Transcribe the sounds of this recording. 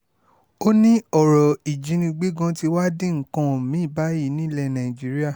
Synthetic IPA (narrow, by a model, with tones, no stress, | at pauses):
o˦nĩ˦ɔ˨ɾɔ˨i˨d͡ʒĩ˨˦nĩ˧ɡ͡be˦ɡã˧ti˧wa˦dĩ˦˨ŋ̩˨˦kã˧˦˨mĩ˨˦˨ba˨˦ji˨˧˦nĩ˦lɛ˧nã˨ĩ˨d͡ʒi˨˦ɾi˦a˦˨